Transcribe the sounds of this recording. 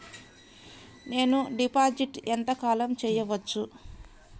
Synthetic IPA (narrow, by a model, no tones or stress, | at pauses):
ne̞ːnuɖipaːd͡ʒiʈent̪ɐkaːlɐmt͡ʃɛːjɐʋɐt͡ʃːu